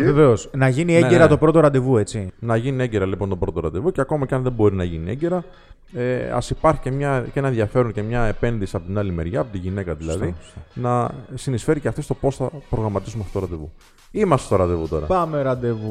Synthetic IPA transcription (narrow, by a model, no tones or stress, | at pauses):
veve̞osnɐʝinieɟeɾɐt̪o̞pɾo̞t̪o̞ɾɐnd̪e̞vue̞t͡sinɐʝinieɲɟe̞ɾɐlipo̞nt̪o̞bɾo̞t̪o̞ɾɐ̰nd̪e̞vuceɐko̞mɐceɐnðe̞mbo̞ɾinɐʝinieɲɟe̞ɾɐ | eɐ̰sipɐɾçi̥ce̞mɲɐcenɐðʝɐfe̞ɾuɲce̞mɲɐe̞pe̞nðisiɐpo̞t̪inɐlime̞ɾʝɐːpo̞t̪iʝine̞kɐðilɐ̰ðinɐsinisfe̞ɾiceft̪ist̪o̞po̞sθɐpɾo̞ɣɾɐmɐt̪isumeɐfot̪oɾɐnd̪evṵ | imɐst̪est̪oɾɐnd̪e̞vut̪o̞ɾɐ̰pɐmeɾɐnd̪evu